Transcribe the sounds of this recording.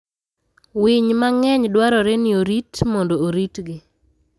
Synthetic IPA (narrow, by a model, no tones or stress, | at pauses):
wiɲmaŋɛɲdwaɾɔɾɛnɪoɾitmɔndooɾitɡɪ